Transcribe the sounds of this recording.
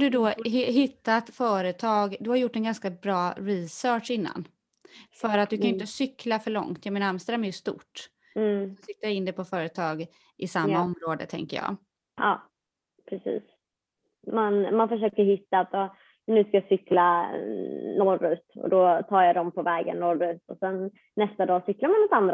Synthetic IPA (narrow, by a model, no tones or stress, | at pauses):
hɖɵd̪ɔɦɪt̪ːat̪fœːɾət̪ʰɑːɡd̪ɵhaɾjʊʈːɛnɡanskabɾɑːɾɪsœːʈʂɪnːa̰n | fœɾat̪̚d̪ɵkʰanjʏɪnt̪əsʏklafœɭɔ̰ŋt̪jɑmɛːnaamst̪ɾamɛɾjɵst̪ṵːʈː | sɪt̪ːaɪnd̪ɛpʰɔfœːɾət̪ʰɑːɡ | ɪsamːaɔmɾoːd̪ə̰t̪ʰɛ̰ŋkə̰jɑ̰ː | ʔɑː | pʰɾɛsḭːs | manmanfəʂøːkəɾhɪt̪ːaːt̪ɔː | nʉ̟ːskajasʏkla | nɔɾʉ̰ːt̪ɔ̰d̪ɔt̪ʰɑːɾjad̪ɔmpʰɔvɛːɡə̰nːɔɾʉ̟ːt̪ɔsɛnː | ɛst̪ad̪ɑːsʏklaɾmanɔt̪and̪ɾa